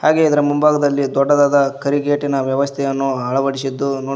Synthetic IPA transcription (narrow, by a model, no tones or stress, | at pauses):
haːɡe̞id̪ɐɾɐmumbʱaːɡɐd̪ɐlːid̪ɔɖːɐd̪aːd̪ɐkɐɾiɡeːʈinɐʋjɐʋɐst̪ʰɛjɐnːuɦɐɭɐʋɐɽisid̪ːunoː